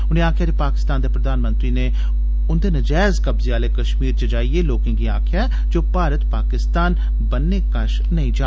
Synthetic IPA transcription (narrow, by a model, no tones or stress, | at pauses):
ʊnẽːaːkʰjaːd̪eːpaːkɪ̥st̪aːnd̪eːpɾəd̪aːnmə̃nt̪ɾiːneː | ʊnd̪eːnəd͡ʒɛːzkəbzeaːleːkəʃmiːɾt͡ʃəd͡ʒaːieːloːkɪ̃ŋɡiːaːkʰjaː | d͡ʒoːpaːɾət̪paːkɪst̪aːn | bənːeːkəʃ | nəĩːd͡ʒaː